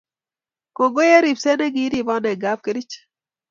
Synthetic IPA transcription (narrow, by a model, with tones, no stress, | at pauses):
ko˨ɡo˦je˦ɾi˨pse˦nɛ˦ɡi˦ɾi˦˨bɔ˦nɛ˨ɡa˦p̚ke˦ɾi˦t͡ʃ